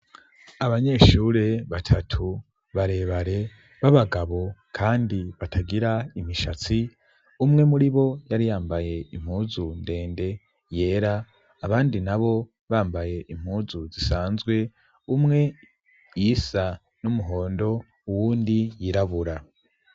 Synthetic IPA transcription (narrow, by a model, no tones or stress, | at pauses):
aβaɲe̞ːʃuːɾe̞βatʰatʰu | βaɾe̞ːβaɾe̞ | βaβaɡaβo̞kʰaːndiβataɡiɾaimiʃat͡si | umŋe̞muɾiβo̞jaɾijaːmbaje̞im̥huzunde̞ːnde̞ | je̞ːɾaː | βaːndinaβo̞ | βaːmbaje̞ʔim̥huːzuzisaːnzɡwe̞ | umŋe̞ | jisa | numuɦo̞ːndo̞ | uwuːndijiɾaβuɾa